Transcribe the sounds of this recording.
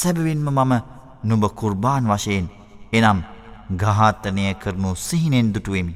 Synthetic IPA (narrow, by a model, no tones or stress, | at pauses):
sɛbɐʋinməmamə | nubəkuɾbaːnʋaʃeːn | enamɡaɦaːt̪ːɐnejəkʰəɾnusiɦinend̪uʈuʋemi